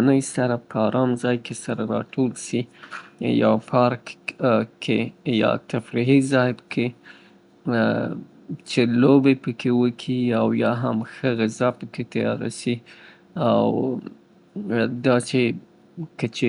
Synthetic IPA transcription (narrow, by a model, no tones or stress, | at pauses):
nəjsaɾapʰəɑɾʔɑmzɑjkesaɾaɾɑ̰ʈʰolʃi | jɑ̰pʰɑɾkkʰejɑ̰t̪afɾiɦizɑjɪbəkʰe | t͡ʃelobepəkʰewəkʰiawjɑɦamxəɣɪzapəket̪ajɑ̰ɾa̰si | aw | d̪ɑt͡ʃe | kət͡ʃe